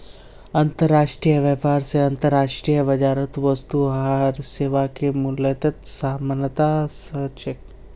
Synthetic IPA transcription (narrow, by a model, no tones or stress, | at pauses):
ɐnt̪əɾːaːʃʈɾijəʋjəpaːɾseɐnt̪əɾːaːʂʈɾijəʋɐd͡ʒaːɾət̪ʋəst̪uaɾseːʋakemʊlət̪ɐt̪saːmənət̪asɐt͡ʃək